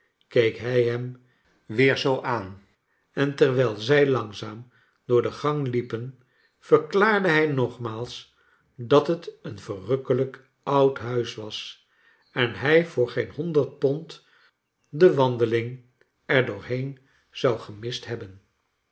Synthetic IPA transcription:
kejkɦɛjɦɛm | ʋɪːɹzowʔaːn | ɛntɛɹʋɛlˠzɛjlɑŋzaːm | d̥ʊːɹdəχɑŋlipən | fəɹklaːɹdəɦɛjnɔχmaːlˠs | dɑtɦətənvərɵkələk | ɑwtɦœɥsʋɑs | ɛnɦɛjv̥ʊːɹχejnɦɔndəɹt̚pɔnt | dəʋɑndəlɪŋ | ɛɹdʊːɹɦejn | z̥ɑwχəmɪstɦɛbən

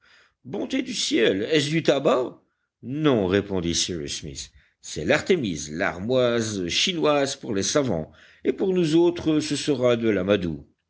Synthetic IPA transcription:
bɔ̃t̪ed̪ysjɛlɛs̬d̪yt̪aba | nɔ̃ʁepɔ̃d̪isiʁḭsmḭsː | ɛ̰laʁt̪emizla̰ʁmwazʃinwazpuʁlesavɑ̰̃ | epuʁnuzot̪χəsəsəʁad̪əlamad̪ṵ

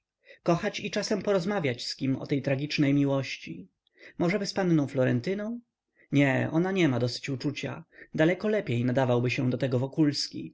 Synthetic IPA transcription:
kɔxat͡ɕit͡ʂasɛmpɔɾɔzmavʲjat͡ɕskʲimɔ̰t̪ɛjt̪ɾaɡʲit͡ʂnɛjmʲiwɔɕt͡ɕi | mɔʐɛbɘspanːɔ̃w̃flɔɾɛnt̪ɘnɔ̃w̃ | ɲɛɔ̰naɲɛmad̪ɔsɘ̥t͡ɕut͡ʂut͡ɕa̰d̪alɛkɔlɛpʲjejnad̪avawbɘɕɛ̃d̪ɔt̪ɛɡɔvɔkulskʲi

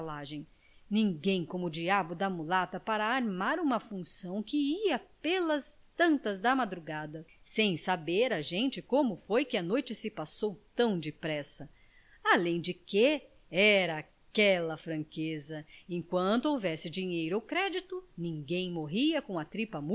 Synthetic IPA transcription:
laʒẽj̃ | nĩŋɡẽj̃kõmʊd͡ʒiabʊd̪ɐmulat̪ɐpaɾɐːɾmaɾũmɐfũsɐ̃w̃kɪiɐpelɐs | t̪ɐ̃nt̪ɐzd̪ɐmad̪ɾuɡad̪ɐsẽj̃sabeɾɐʒẽnt͡ʃɪkõmʊfojkɪɐnojt͡ʃɪsɪpasowt̪ɐ̃w̃d͡ʒɪpɾɛsɐ | alẽj̃d͡ʒɪke | ɛɾɐː | kɛlɐfɾɐ̃ŋkezɐẽjkwɐ̃t̪ʊowvɛsɪd͡ʒiɲejɾʊawkɾɛd͡ʒit̪ʊnĩŋɡẽj̃moɦiɐkõɐt̪ɾipɐmu

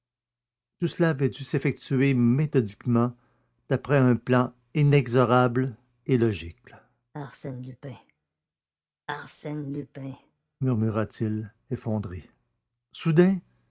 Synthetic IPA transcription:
t̪usəlaːvɛd̪ysefɛk̚t̪yemet̪ɔd̪ikmɑ̃ | d̪̥apʁɛɛ̃plɑ̃ | inɛɡzɔʁabl | elɔʒik | aʁsɛnlypɛ̃ | aʁsɛnlypɛ̃ | myʁmyʁat̪ʰil | efɔ̃d̪ʁe | sud̪ɛ̃

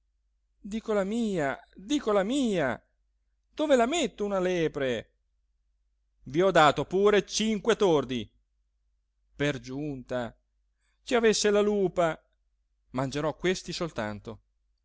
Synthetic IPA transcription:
d̪iːkolamiːad̪iːkolamiːa | d̪̥oːvelamet̪ːounalɛːpɾe | viɔd̪ːaːt̪opuːɾet͡ʃiŋkwet̪ord̪i | perd͡ʒunt̪a | t͡ʃiavesːelaluːpa | mand͡ʒeɾɔkːwest̪isolt̪ant̪o

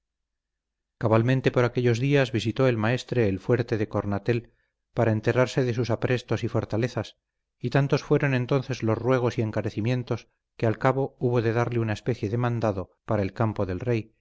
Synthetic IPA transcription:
kaβalmẽnt̪e̞po̞ɾake̞ʎo̞zðiazβisit̪o̞e̞lmae̞st̪ɾe̞ːlfwe̞ɾt̪e̞ðe̞ko̞ɾnat̪e̞l | paɾaent̪e̞ɾaɾse̞ðe̞susapɾʔe̞st̪o̞sifo̞ɾt̪ale̞θas | it̪ant̪o̞sfwe̞ɾo̞nẽ̞nt̪o̞nθe̞zlo̞szrwe̞ɣ̞o̞sie̞ŋkaɾe̞θimjẽ̞nt̪o̞s | kealkaβo̞uβo̞ðe̞ðaɾleunaespe̞θje̞ðemãnd̪aðo̞paɾaelkampo̞ðe̞lre̞j

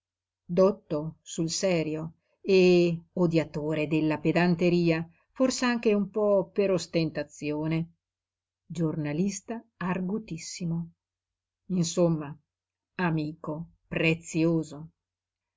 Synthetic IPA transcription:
d̪ot̪ːosulsɛːɾjo | eod̪jat̪oːɾed̪elːaped̪ant̪eɾiːa | forsaaŋk̟eumpɔpeɾost̪ent̪at̪sːjoːne | d͡ʒornalist̪aarɡut̪isːimo | insomːa | amiːko | pɾet̪sjoːzo

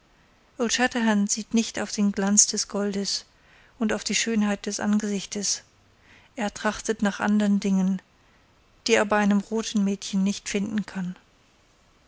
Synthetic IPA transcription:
ʔʊlt͡ʃɛtɐɦɛnz̥iːtnɪçtaʊfd̥eːnɡlant͡sd̥ɛsɡ̥ɔldəs | ʔʊntaʊfd̥iːʃøːnɦaɪt̚d̥ɛsʔa̰nɡəzɪçtəs | ʔeːɐtʁ̥aχtətnaːχʔa̰ndəʁəndɪŋən | d̥iːeːɐbaɪʔaɪnəmʁoːtn̩mɛːtçən̩ːɪçtfɪndn̩kʰan

